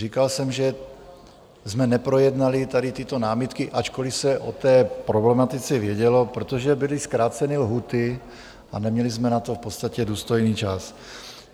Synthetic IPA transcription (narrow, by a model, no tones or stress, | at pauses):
rikalsɛmʒɛ | zmɛnɛpɾo̞jɛdnalɪt̪aɾɪt̪ɪt̪o̞naːmɪt̪kɪʔat͡ʃkolɪfsɛʔo̰t̪ɛːpɾoblɛmat̪ɪt͡sɛvjɛɟɛlo̞pɾot̪oʒɛbɪlɪskɾaːt͡sɛnɪlɦuːt̪ɪ | a̰nɛmɲɛlɪzmɛnat̪ofpot̪st̪acɛduːst̪o̞jniːt͡ʃas